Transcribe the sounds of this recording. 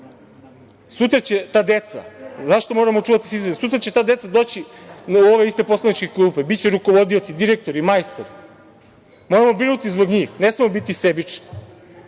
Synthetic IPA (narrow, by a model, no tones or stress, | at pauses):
sut̪ɾat͡ɕet̪aːd̪e̞t̪sa̰zaʃt̪o̞mo̞ɾamo̞t͡ʂuːʋat̪i̥sisesut̪̬ɾat͡ɕe̞t̪aːd̪e̞t̪sad̪o̞ːt͡ɕioʋe̞ist̪e̞po̞slˠanit͡ʃkeklˠuːpebitt͡ɕeɾuko̞ʋo̞d̪io̞t̪sid̪iɾek̚t̪o̞ɾimajst̪oɾi | mo̞ɾamo̞bɾinut̪izbo̞ɡɲiːxnesmemobit̪isebit͡ʂni̥